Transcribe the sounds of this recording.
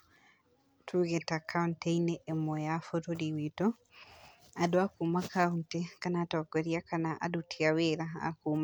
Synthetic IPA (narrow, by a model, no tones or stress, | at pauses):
tʰuɣetakʰaunteineʔemɔjafotodiwito | adoakumakauntekanatɔkoɾjakanaʔa̰dutʰiaweɾaa̰kuːma